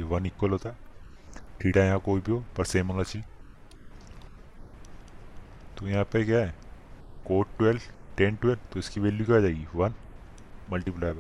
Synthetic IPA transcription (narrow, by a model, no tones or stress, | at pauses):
eʋɐnɪkːəlɦoːt̪aɛ | ʈʰiːʈajɐɦãkoːibʱiɦoːpɐɾseːmɦonat͡ʃʰɪl | t̪ojɐɦãːpekjaɦɛkoːʈʈwelʈẽnʈwelt̪oɪskiʋeːljikad͡ʒaːɪɡiʋɐn | mɐlʈiplaːjbə